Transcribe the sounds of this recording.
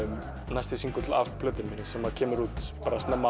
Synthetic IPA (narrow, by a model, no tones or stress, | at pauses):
najst̪ɪsiŋkʏt̪la̰fpʰlœːt̪ɪmɪnɪsɛmːaðcʰɛːmɪɾuːt̪paːɾast̪ɛmːa